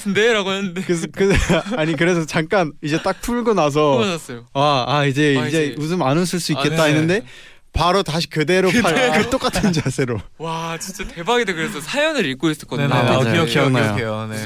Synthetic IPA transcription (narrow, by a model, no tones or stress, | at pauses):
ɯndeɾaɡoenɯndekɯkɯaɲik̬ɯɾe̞s̬ʰʌt͡ɕaŋk͈anid͡ʑe̞t͈ak̚pʰuɭɡonas̬ʰʌs͈ʌjoaaid͡ʑe̞id͡ʑeudɯmanɯs̬ʰɯɭs͈uik͈e̞t̚t͈ainːɯnde̞ | paɾotaɕʰi̥kɯde̞ɾopʰakɯt͈ok͈atʰɯnt͡ɕasʰe̞ɾowat͡ɕint͡ɕ͈etebaɡidekɯɾesʰʌsʰajʌnɯɾik͈ois͈ɯɭk͈ʌdkikʰinjokejon